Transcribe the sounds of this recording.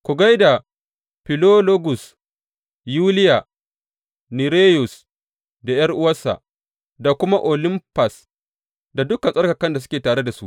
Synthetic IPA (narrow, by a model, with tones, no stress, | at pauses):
kʷu˨ɡa˦jda˨ | ɸi˨lo˦lo˦ɡʊ˨s | juː˦lɪ˦ja˨ | ni˨ɾeː˦jʊ˨s | da˨jɐ˦rʔʊ˦wɐ˦sa̰˨ | da˨kʷʊ˦ma˦ʔo˨lɪ˦mpa˨s | da˨dʊ˦kɐ˨nsʼɐ˦rkɐ˨kɐ˦nda˨s̬ʊ˦kʲeː˨taː˨ɽe˦da˨su˦ʔ